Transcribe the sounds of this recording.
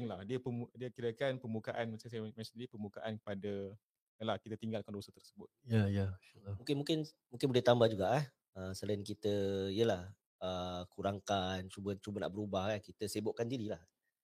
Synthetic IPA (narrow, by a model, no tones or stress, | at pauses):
ŋlahdiəpəmudiəkiɾəkanpəmukaʔanmat͡ʃaŋsajmat͡ʃadiɾipərmbukaʔankə̥pada | əlahkit̪ət̪iŋɡalkandosət̪ərsəbʊt̪̚jajaalamũkɪnmũŋkɪn | muŋkɪnbulɛht̪ambahd͡ʒuɡaʔah | əsəlaɪnkit̪əijəlah | əkuɾaŋkant͡ʃubət͡ʃubəna̰ʔbəɾubahakit̪əsebʊʔkandiɾilah